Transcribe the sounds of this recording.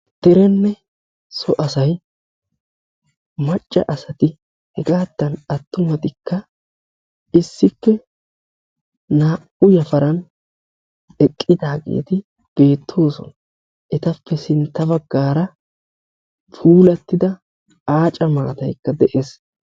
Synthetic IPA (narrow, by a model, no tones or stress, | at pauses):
d̪̥ɛɾɛnːɛ | sɔʔɐsɐj | mɐt͡ʃʼːɐ̰ʔɐsɐt̪ɪ | hɛɡaːd̪ːɐnɐt̪ːʊmɐt̪ɪkːɐ | ɪsːɪpːɛ | naːʔʊjɐfɐɾɐn | ɛkʼːɪd̪aːɡḛːt̪ɪ | b̥e̞ːt̪ʰːo̞ːsɔ̰nɐ | ʔɛt̪ɐpːɛsɪnt̪ːɐbɐɡːaːɾɐ | fʰuːlɐt̪ːɪd̪ɐ | aːt͡ʃʼɐma̰ːt̪ɐjkːɐd̪ɛʔes